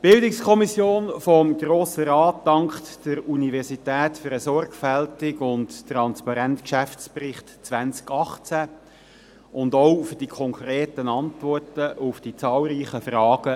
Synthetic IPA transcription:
b̥ɪldɪkskʰɔmisjoːnfɔmɡɾoːsəɾɑːt̚dɑŋktd̥əɾunivɛɾsitɛːtfɾəsɔrɡfæltɪɡʊnttrɑnspɑɾɛntkʃæft͡sprɪχtt͡sʋænt͡skɑχt͡sæ | ʊndoʊfʏd̥ikʰɔŋkʰɾeːtənɑntʋɔrtəʔʊfd̥it͡sɑːlˠɾiːχəfrɑːɡ̥ə

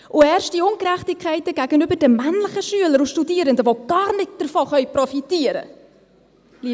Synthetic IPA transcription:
ʔʊɛːrʃt̚diʊŋkræχtɪkʰχɛɪtəɡæɡənybədəmænləχəʃyələɾuʃtudiəɾəndəvoɡ̥ɑːrnɪt̚d̥ərfoχœʏprɔfitiəɾə̰ | li

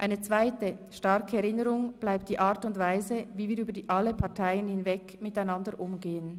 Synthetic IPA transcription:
ʔaɪnət͡sv̥aɪtəʃtɑʁkəɛʁɪnəʁʊŋb̥laɪp̚t̚d̥iːʔaːɐtʊntv̥aɪzəviːviːʁyːbədiʔaləpʰɑʁtʰaɪənhɪnvɛkmɪtaɪnɑndəʔʊmɡeːən

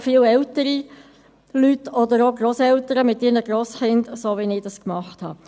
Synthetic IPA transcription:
fɪːlɛltəɾi | lytɔdəɾoɡɾoːsɛltəɾəmɪtːiːɾnəɡɾosχɪndsoːʋinɪːd̥ɑskmɑχthɑ̰ː

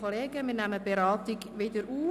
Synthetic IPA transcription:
oleːɡəmiːnæməbeɾɑːt̪ɪɡʋɪd̪əɾuː

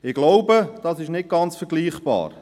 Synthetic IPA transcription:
ɪɡ̥loʊbəd̥ɑsɪʃnɪt̚ɡ̥ɑnt͡sfəɾɡliːχb̥ɑ̰ːɾ

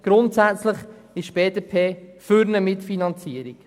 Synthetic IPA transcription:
ɡ̥ɾʊntsæt͡sləχɪʃb̥eːdepʰeːfʏɾnəmɪtfinɑnt͡siəɾik

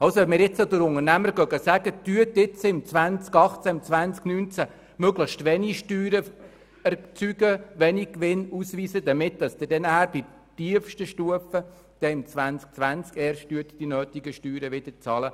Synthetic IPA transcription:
ɑlsoɛmɪɾjɪt͡sɔd̪əɾʊŋəɾnæməɾɡœɡəsæɡ̥ət̪yət̪ɪt͡sɪmt͡sʋænt͡skɑχt͡sæɪmt͡sʋænt͡sknyːnt͡sæ | møɡləxʃtʋɛniʃtyːɾə | ɛɾt͡syɡəʋɛnikʋɪnusʋiːsəd̪əmɪt̚d̥ɑsd̥̪ədɛnəhæːɾb̥i | tiəfʃtəʃtuəfə | d̥ɛɪmt͡sʋænt͡sk̚t͡sʋænt͡skɛːɾʃt̚ːyət̪d̥inøːtɪɡəʃtyːɾəʋɪd̥̪ət͡sɑːlə

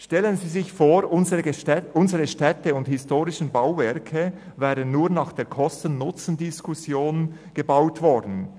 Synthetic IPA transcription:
ʃtɛlənziːzɪçfoːɾʊnzəʔʊnzəʁəʃtɛtəʊnthɪstoːʁɪʃn̩baʊvɛɾkʰə | vɛːʁənːuːʁnɑːχd̥eːɐɾkʰɔstən̩nːʊt͡sn̩dɪskʰusjoːn | ɡ̥əbaʊtvɔɾdn̩

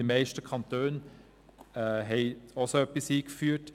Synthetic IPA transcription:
imɛɪʃtəkʰɑntøːn | ɛɦɛɪosoœpːisiːkfyːt

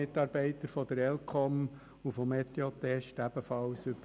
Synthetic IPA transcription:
ɪtːɑːɾb̥ɛɪt̪əɾfɔd̪əɾɛlkʰɔm | ufɔmɛt̪eot̪ɛʃtæb̥əfɑlsʏb

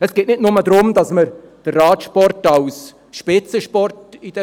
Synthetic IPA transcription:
ɛsɡ̥eːtnɪtnʊmədɾʊmdɑsməɾd̥ərːɑːtʃpɔɾtɑls | ʃpɪt͡səʃpɔrtid̥ɛ

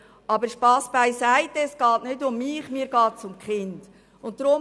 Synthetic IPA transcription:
ʔɑbəɾʃpɑːsb̥aɪsaɪtɛsɡ̥ɑːtnʏdʊmːɪːχmiːɾɡɑːtsʊmkχɪnd̥ | ʊntdɾʊ

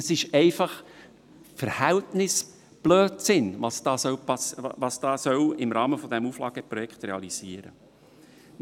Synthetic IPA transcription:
əsɪʃɛɪfɑχ | fəɾhɛltnɪs | b̥løːtsɪnʋɑsd̥ɑːsœwpɑsɑsd̥ɑːsœwɪmɾɑːməfɔd̪ɛmuflɑːɡ̥əpɾɔjɛkχt̪ɾeɑliz̥iːəɾə

